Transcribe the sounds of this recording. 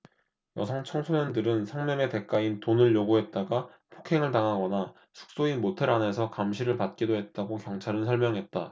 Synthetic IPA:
jʌsʰʌŋt͡ɕʰʌŋsʰoɲʌndɯɾɯnsʰaŋmjʌŋe̞te̞k͈aintonɯɭjoɡuɦe̞t̚t͈aɡa | pʰo̥kʰe̞ŋɯɭtaŋɦaɡʌna | sʰu̥k̚s͈oimotʰeɾanɦe̞sʰʌkamɕʰiɾɯɭpat̚k͈idoɦe̞t̚t͈aɡokjʌŋt͡ɕʰaɾɯnsʰʌɭmjʌŋɦe̞t̚t͈a

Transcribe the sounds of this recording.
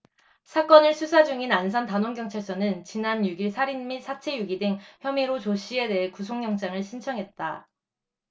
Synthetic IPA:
sʰak͈ʌnɯɭsʰusʰad͡ʑuŋinansʰʌntanoŋɡjʌŋt͡ɕʰaɭs͈ʌnɯnt͡ɕinanjuɡiɭsʰaɾinmisʰat͡ɕʰe̞juɡidɯŋçjʌmiɾot͡ɕoɕʰie̞de̞ɦekus̬ʰoŋːjʌŋt͡ɕ͈aŋɯɭɕʰint͡ɕʰʌŋɦe̞t̚t͈a

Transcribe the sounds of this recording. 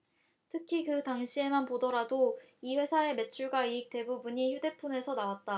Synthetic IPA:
tʰɯkʰikɯtaŋɕʰie̞manpodʌɾado | iɸwe̞sʰae̞me̞t͡ɕʰuɭɡaik̚t͈e̞bubuɲiçjude̞pʰune̞sʰʌnawat̚t͈a

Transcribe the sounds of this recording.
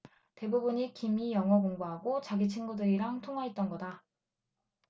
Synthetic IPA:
te̞bubuɲikimijʌŋwʌk̬oŋɡoɦaɡot͡ɕaɡit͡ɕʰinɡudɯɾiɾaŋtʰoŋwaɦet̚t͈ʌnɡʌda

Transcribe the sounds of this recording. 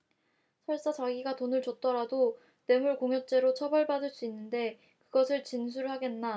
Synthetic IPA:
sʰʌɭs͈at͡ɕaɡiɡatonɯɭt͡ɕot̚t͈ʌɾado | ne̞muɭkoŋjʌt͡ɕ͈e̞ɾot͡ɕʰʌbʌɭbadɯɭs͈uinːɯnde̞ | kɯɡʌsʰɯɭt͡ɕins̬ʰuɾɯɭɦaɡe̞nːa

